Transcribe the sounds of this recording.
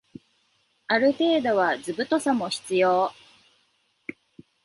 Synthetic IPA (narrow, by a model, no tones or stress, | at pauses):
aɾɯ̟t̪e̞ːd̪o̞β̞azɨbɯ̟t̪o̞samo̞çi̥t͡sɨjo̞ː